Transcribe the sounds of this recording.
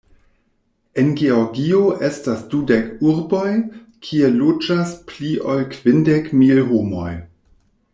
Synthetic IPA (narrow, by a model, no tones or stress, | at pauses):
e̞nɡeoɾɡioʔe̞stasdudekuɾbo̞j | kʰielod͡ʒaspliʔolkv̥indekmilɦomo̰j